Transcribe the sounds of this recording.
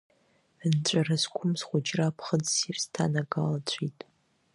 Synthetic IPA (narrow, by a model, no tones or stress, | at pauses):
nt͡ɕʷʼarazkʷʰʊmsχʷʊd͡ʒrapʰχəd͡zsirstʰa̰naɡalat͡ɕʷʰitʼ